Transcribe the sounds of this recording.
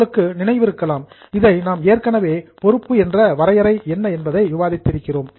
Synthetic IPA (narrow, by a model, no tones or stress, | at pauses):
ɭɯkːɯnɪnɐɪʋɪɾɯkːɐlaːm | ɪðɐɪnaːmeːrkɐɳɐʋeːpɔɾɯpːɯɛndrɐʋɐɾɐjɐɾɐɪɛnːɐɛnbɐðɐɪʋɪʋaːðɪt̪ːɪɾɯkːɪroːm